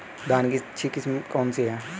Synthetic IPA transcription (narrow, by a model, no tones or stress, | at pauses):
d̪aːnkit͡ʃʰikɪsmkɔːnsiɦɛː